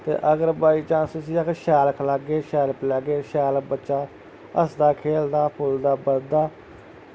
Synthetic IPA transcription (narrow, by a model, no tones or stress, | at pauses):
t̪ḛːʔəɡəɾbaːiːt͡ʃãːst̪ʊsĩːəkʃɛːləkʰləɡeːʃɛːləklɛːɡeːʃɛːlək̚bətːʃaː | əsd̪aːkʰeːld̪aːpʰʊld̪aːbəld̪aː